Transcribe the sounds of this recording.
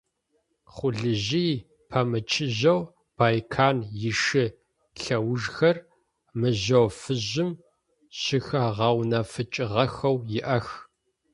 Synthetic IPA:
χʷʊɮɨʑiː | pʰɐmɨt͡ʃʰɪʑɐw | b̥aːjkʰaːnjɪʂɨ | ɬɐwʊʒxɐr | mɨʑɐwfɨʑɪm | ɕɪxɐʁɐwnɐfɨt͡ʃʼɪʁɐxɐwjɪʔɐx

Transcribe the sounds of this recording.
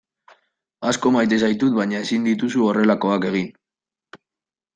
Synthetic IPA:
asko̞majt̪̬e̞s̬ajt̪ut̪̚baɲae̞sind̪it̪usuore̞lako̞ake̞ɣ̞in

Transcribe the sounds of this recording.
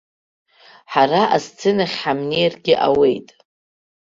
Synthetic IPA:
ħaraʔazt͡sʰɨnaχʲħamnirɡʲɪʔawe̞jtʼ

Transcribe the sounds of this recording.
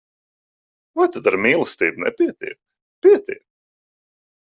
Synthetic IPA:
vajt̪ad̪aɾmʲiːlˠɨst̪iːbnɛ̰pʲiɛt̪ʲḭɛk | pʲiɛt̪ʲḭɛk

